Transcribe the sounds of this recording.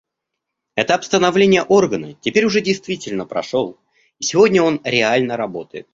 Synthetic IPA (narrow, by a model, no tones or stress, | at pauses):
ɛt̪əɐpst̪ənɐvlʲenʲɪjəʔo̞rɡənətʲɪpʲeɾʲʊʐɛdʲɪjst̪vʲitʲɪlʲnəpɾɐ̰ʂo̞lˠ | isʲɪvo̞dʲnʲəo̞nɾʲɪalʲnəɾɐbo̞t̪əjɪt̪̚